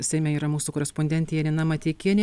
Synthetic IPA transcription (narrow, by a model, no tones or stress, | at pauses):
sʲɛɪmʲɛiːɾɐmuːsukoːɾʲɛspɔnʲd̪ʲɛnʲt̪ʲɛjɛnʲɪnɑmɐt̪ʲekʲiɛnʲ